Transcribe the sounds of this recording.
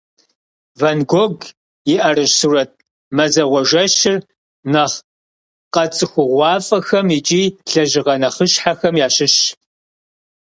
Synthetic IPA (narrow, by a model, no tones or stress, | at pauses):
vɐnɡʷoɡ | jɪʔɐrɨɕsurɐt̚ʰ | mɐzɐʁʷɔʒɐɕɪr | nɐχ | qɐt͡sʼɨxʷʊʁʷɑːfʼɐxɐmit͡ʃʼiːɬɐʒɪʁɐnɐχəɕħaxɐmjaːɕɪɕ